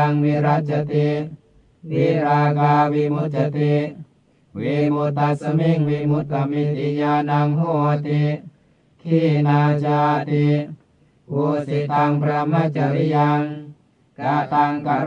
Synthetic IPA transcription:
ŋmiɾat͡ʃat̪i | wiɾakawimut̪̚d͡ʒat̪i | wimut̪asəmiŋwimut̪̚kamit̪iɲanaŋɦoat̪i | kʰinat͡ʃat̪i | kusit̪aŋpɾamat͡ʃaɾijaŋ | kat̪aŋka

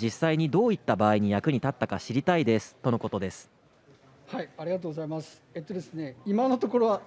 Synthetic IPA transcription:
d͡ʑisːaiɲ̟id̪o̞ːit̪ːabaːiɲ̟ijakɯ̟ɲ̟it̪at̪ːakaɕiɾʲit̪aid̪e̞sɨ̥t̪o̞no̞ko̞t̪o̞d̪e̞sɨ̥ | haiaɾʲiɡat̪oːɡozaimasɨ̥et̪ːo̞d̪e̞sɨne̞imano̞t̪o̞ko̞ɾo̞βa

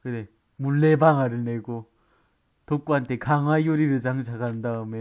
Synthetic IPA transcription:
kɯne̞ | muɭːe̞baŋaɾɯɭne̞ɡo | tok͈uɦantʰe̞kaŋɦwajoɾiɾɯɭd͡ʑaŋt͡ɕʰaɡandaɯme

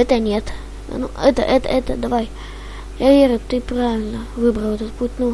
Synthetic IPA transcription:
ɛt̪ənʲet̪ | nuɛt̪ə̰ʔɛt̪ə̰ɛt̪əd̪ɐvaj | javʲeɾʲʊt̪ːɨpɾavʲɪlʲnəvɨbɾəɛt̪ət̪̚putʲnu

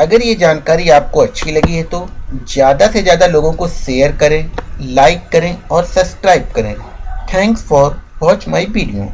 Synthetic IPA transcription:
ɐɡəɾjed͡ʒaːnkaːɾiaːp̚koɐtːʃʰilɐɡiɦɛt̪ozjaːd̪asezjaːd̪aloːɡõkoʃeːəɾkɐɾẽːlaːɪkːɐɾẽɔːɾsɐbskɾaːɪb̚kɐɾẽːt̪ʰɛ̃ːŋksfɔːɾbɔːt͡ʃmaːiʋiːɖijõ̰ː

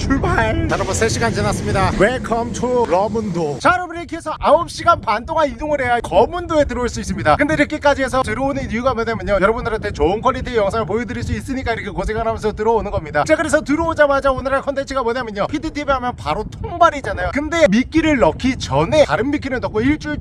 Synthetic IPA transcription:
t͡ɕuɭbant͡ɕʌɾabʌnsʰeɕʰiɡant͡ɕinas͈ɯmɲidaweɭkʰʌmt͡ɕʰoɾʌmundot͡ɕaɾʌmiɾekʰiesʰʌʔaop̚ɕ͈iɡanpantʰoŋɦanidoŋɯɭɦe̞jakʌmundoe̞tɯɾʌuɭs͈uis͈ɯmɲidakɯnde̞ɾɯk͈ek͈ad͡ʑiɦe̞s̬ʰʌtɯɾʌonɯnijuɡamoɲamjʌɲojʌɾʌbundɯɾantʰe̞t͡ɕoɯnkʰwʌɭːitʰiejʌŋsʰaŋɯɭp̬oidɯɾiɭs͈uis͈ɯɲik͈aiɾʌkʰe̞kosʰeŋɡaŋɦamjʌnsʰʌtɯɾʌonɯnɡʌmɲidaɯt͡ɕakɯɾesʰʌtɯɾʌod͡ʑamad͡ʑaonɯɾaɭkʰʌntʰe̞nt͡ɕʰiɡamoɲamjʌɲopʰitʰitʰibeɦamjʌnpaɾotʰoŋbaɾid͡ʑanajokɯnde̞mik͈iɾɯɭːʌkʰit͡ɕʌne̞taɾɯnmik͈ʰiɾɯɭnʌk͈oiɭt͡ɕ͈uɭ

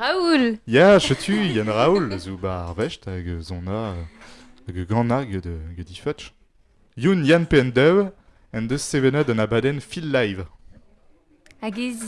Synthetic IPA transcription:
auljaʃət̪ʰyjanʁaulzuba̰ːʁvɛʃtaɡøzɔ̃na | aɡəɡɑ̃naɡəd̪ɡəd̪ifœt͡ʃ | junjanpeɛnd̪ɛw | ɛnd̪øsːevɛnəd̪ɑ̃nabad̪ɛnfilːajv | aɡe

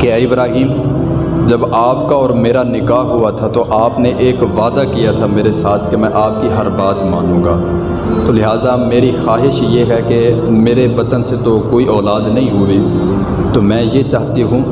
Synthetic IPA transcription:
keɪbɾaːɦiːm | d͡ʒɐbaːpkaɔːɾmeːɾanɪkaːɦɦuat̪ʰat̪oʔaːpneʔeːkʋaːd̪akijat̪ʰameːɾesaːt̪ʰkemɛ̃ʔaːp̚kiɦɐɾbaːt̪maːnũːɡaː | t̪oːlɪɦaːzameːɾixaːɦɪʃjeɦɛkemeːɾebɐt̪ənset̪okoːiɔːlaːd̪nɐɦĩɦʊi | t̪omɛ̃ːjet͡ʃaːɦt̪iɦũ

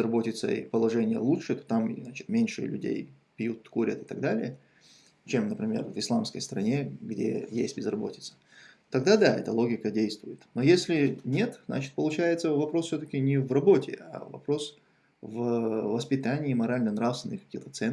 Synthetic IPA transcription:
ɪzrɐbo̞tʲɪt̪sə̰ḭpəlˠɐʐɛnʲɪjə̰lˠutʂɨt̪o̥t̪am̰znat͡ɕɪ̥t̪mʲenʲʂɨ̰lʲʉ̰dʲḛj | pʲjut̪ːkuɾʲə̰t̪ɨ̥t̪ɐɡd̪alʲɪ̰jə | t͡ɕemnəpɾʲɪmʲe̞̰rvɨslˠamskəjst̪əɾɐnʲe̞ɡdʲḛjḛsʲtʲbʲɪzrɐbo̞̰tʲɪt̪sə̥ | t̪ɐɡd̪ad̪aɛt̪əlˠo̞ɡʲɪkədʲejst̪vʊjɪt̪nojesʲlʲɪnʲe̞t̪zna̰t͡ɕɪ̥t̪̚pəlˠʊt͡ɕæjɪt̪səvɐpɾo̞sfsʲot̪əkʲɪnʲɪvrɐbo̞tʲɪ̰a̰vɐ̰pɾo̞s | vvəspʲɪt̪anʲɪːmɐɾalʲnənɾafst̪vɪnːɨxkɐ̥kʲixt̪ət̪sɛn

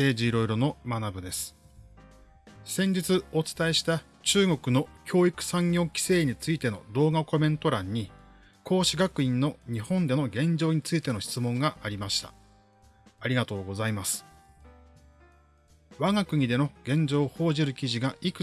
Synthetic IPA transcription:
e̞ːʑiːɾo̞iɾo̞no̞manabɯ̟d̪e̞sɨ̥ | sẽ̞ɲ̟d͡ʑit͡sɨo̞t͡sɨ̥t̪ae̞ɕi̥t̪a | t͡ɕɨːɡo̞kɯ̟no̞kʲo̞ːikɯ̟̥sãŋɡʲo̞ːkʲi̥se̞ːɲ̟it͡sɨit̪e̞no̞d̪o̞ːɡako̞mẽ̞nt̪o̞ɾãɲ̟ːi | kʰo̞ːɕiɡakɯ̟ĩnːo̞ɲ̟ihõ̞nd̪e̞no̞ɡẽ̞ɲd͡ʑo̞ːɲ̟it͡sɨit̪e̞no̞ɕi̥t͡sɨmõ̞ŋɡaʔːɾʲimaɕi̥t̪a̰ | aɾʲiɡat̪o̞ːɡo̞zaimasɨ̥ | βaɡakɯ̟ɲ̟id̪e̞no̞ɡ̥ẽ̞ɲ̟d͡ʑo̞ːho̞ːʑiɾɯ̟kʲiʑiɡaʔikɯ̟

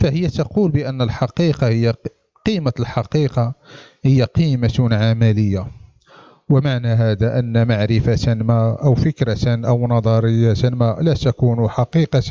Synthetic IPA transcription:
fæhəjːæt̪ɑqulbəʔənːəlħɑqiqɑhəjːa | qimalħɑqiqɑ | həjːaqimat̪nʕamæləjːa | wəmaʕnæɦæd̪æʔənːæmaʕɾɪfat̪nmaʔəwfəkɾɑt̪nʔəwnɑd̪ˤɑɾəjːat̪ænmalæt̪ækunuħɑqiqɑt̪

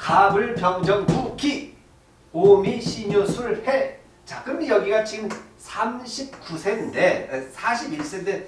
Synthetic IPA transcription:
kabɯɭpjʌŋd͡ʑʌŋkukʰi | omiɕʰiɲosʰuɯɭhe | t͡ɕaɡɯmijʌɡiɡat͡ɕiɡɯmsʰamɕʰip̚kusʰenndesʰaɕʰibiɭs͈ende

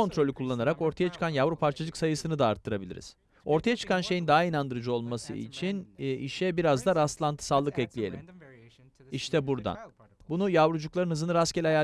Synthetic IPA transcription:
o̞nt̪ɾo̞lʲikʰulˠːanaɾako̞ɾt̪ʰajat͡ʃʰɯ̥kʰanjavɾupʰaɾt͡ʃʰad͡ʒɯksajɯsɯnɯd̪aːɾt̪ʰːɯɾabilʲḭɾiz̥ | o̞ɾt̪ʰajat͡ʃʰɯ̥kʰanʃe̞jind̪aɦainand̪ɯɾɯd͡ʒuo̞lˠmasɯ̰ḭt͡ʃʰiniʃɛbiɾazd̪aɾast̪lˠant̪ʰɯ̥salˠːɯkɛclʲije̞lʲḭm | iʃt̪ʰɛbuɾd̪a̰n | bunujavɾud͡ʒuklˠaɾɯnɦɯzɯnɯɾascɛlʲaja

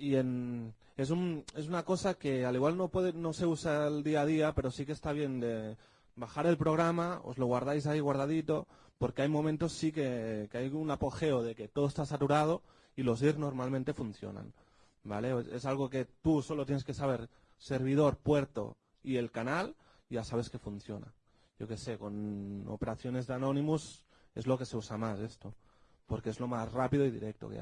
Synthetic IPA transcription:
ie̞n | e̞s̬une̞s̬unako̞sake̞aliɣwalno̞pwe̞ðeno̞se̞usaeld̪iaðiape̞ɾo̞sikest̪aβje̞nd̪e̞ | baxaɾe̞lpɾo̞ɣɾamao̰zlo̞ɣwaɾð̞ajsaiɣ̞waɾðaðit̪o̞ | po̞ɾke̞ajmõ̞mẽnt̪o̞sːike̞keajunapo̞xe̞oð̞e̞ke̞t̪o̞ð̞ost̪asat̪uɾað̞o̞ | ilo̞siɾzno̞ɾmalmẽnt̪e̞fun̟θjo̞̰na̰n | bale̞oḛsalɣ̞o̞ke̞t̪uso̞lot̪jene̞ske̞saβ̞e̞ɾ | se̞ɾβ̞iðo̞ɾpwe̞ɾt̪o̞̰ | ie̞lkanal | ʝasaβ̞e̞ske̞fun̟θjo̞na̰ | ʝo̞ke̞se̞ko̞no̰pe̞ɾaθjo̞ne̞zðano̞nĩmus | e̞zlo̞ke̞se̞usamase̞st̪o̞ | po̞ɾke̞zlo̞masrapiðo̞iðḭɾe̞k̚t̪o̞̰kḛa̰

